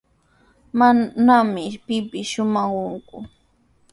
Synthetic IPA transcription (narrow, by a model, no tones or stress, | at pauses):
manamɪpɪpɪʃʊmɑχʊŋkʊ